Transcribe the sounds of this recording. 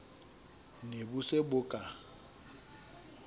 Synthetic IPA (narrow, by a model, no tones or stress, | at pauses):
nebʊsebʊkʼa